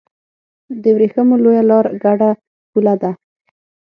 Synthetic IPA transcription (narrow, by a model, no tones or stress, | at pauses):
d̪əwɾexəmolojalɑɾɡaɖa | pulad̪a